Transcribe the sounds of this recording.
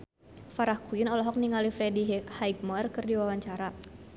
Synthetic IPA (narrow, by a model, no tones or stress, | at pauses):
faɾahkuinɔlɔɦɔk̚niŋalifɾɛdihaik̚mɔrkɨrdiwawaɲt͡ʃaɾa